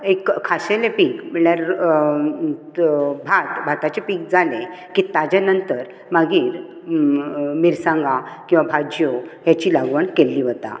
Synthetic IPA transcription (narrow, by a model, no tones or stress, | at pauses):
ekʰːaɕelepikm̤əɭjaɾ | bʱat̪bʱat̪at͡ɕepiːk̚d͡zalekiːt̪ad͡ʑanənt̪əɾ | maɡiːɾ | miɾsãŋɡakĩw̃ʋabʱad͡ʑjoɦjat͡ɕiːlaɡʋəɳkelːiːʋət̪a̰